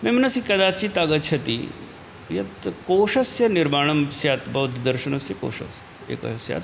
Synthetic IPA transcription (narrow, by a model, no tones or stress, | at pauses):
memənɐsiːkɐd̪at͡ɕiːt̪aɡət̪t͡ɕʰɐt̪ḭː | jɐt̪koːʂɐsjɐniɾmaɳ̃ɐmsjat̪bɐʋd̪ʱd̪əɾɕənɐsjiko̰ːʂɐ̰s | ḛkə̰ɦsja̰t̪